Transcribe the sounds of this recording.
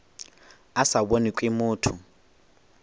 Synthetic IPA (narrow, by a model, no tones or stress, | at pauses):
asabonikʼimʊːtʰʊ